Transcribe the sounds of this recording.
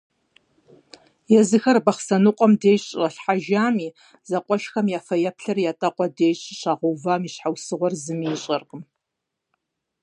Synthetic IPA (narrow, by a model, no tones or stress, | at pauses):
jɛzɨxɐrbɐχsɐnɨqʷʼɔmdeːɕʼrɐɬħaʒaːmiː | z̥ɐqʷʼɔʃxɐmjaːfɐjɐpɬɐrjaːtʼɐqʷʼɔdeːjɕʼɕaːʁuvaːmiːɕħawsɨʁʷɔrzɨmiːɕʼɐrqʼəm